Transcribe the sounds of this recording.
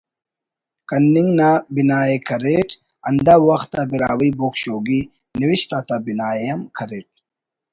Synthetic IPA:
kɐnːiŋɡnabinaːjekʰɐɾeʈ | ɐnd̪awɐxt̪ːabiɾa̰ːwiboːkɕoːɡi | niwiɕt̪at̪abinaːjejɐmkʰɐɾeːʈ̚

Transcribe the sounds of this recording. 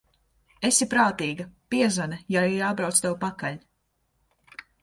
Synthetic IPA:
esipɾaːt̪iːɡɐpiɛzanɐjaiɾjaːbɾawt̪st̪ɛwpakaʎʲ

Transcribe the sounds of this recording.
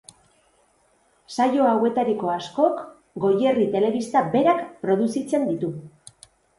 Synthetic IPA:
sajo̞awe̞t̪aɾiko̞asko̞k | ɡo̞je̞rit̪e̞le̞β̞ist̪abe̞ɾakpɾo̞ðusit͡se̞nd̪it̪u

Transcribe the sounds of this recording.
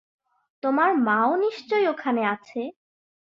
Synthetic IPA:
t̪omaɾmãoniʃt͡ɕojokʰaneat͡ɕʰe

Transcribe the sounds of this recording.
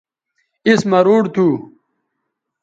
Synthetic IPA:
ismɐɾuːɽt̪ʰu

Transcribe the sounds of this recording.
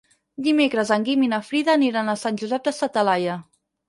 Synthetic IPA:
d̪imekɾəzəŋɡiminəfɾiðəːniɾanəsanʲʒuzɛp̚d̪əsət̪əlajə

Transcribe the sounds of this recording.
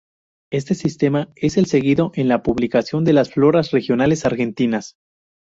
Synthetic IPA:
e̞s̬t̪e̞sist̪e̞mae̞se̞lse̞ɣiðo̞ʔe̞nlapuβlikasjo̞nd̪e̞lasflo̞ɾasre̞xjo̞nale̞saɾxe̞nt̪inas

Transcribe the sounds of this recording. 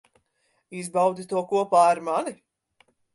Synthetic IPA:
izbawd̪it̪uɔkuɔpaːaɾmani

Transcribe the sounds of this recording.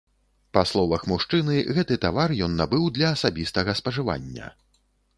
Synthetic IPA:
paslˠɔvɐxmuʂt͡ʂɨnɨɣɛt̪ɨt̪avarjɔnːabɨwd̪lʲɐːsabʲist̪ɐɣɐspɐʐɨva̰nʲːɐ̰

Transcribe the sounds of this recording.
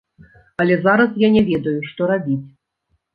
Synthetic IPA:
ɐlʲɛzaɾɐs̬janʲɛvʲɛd̪ɐjuʂt̪ɔɾabʲit͡sʲ

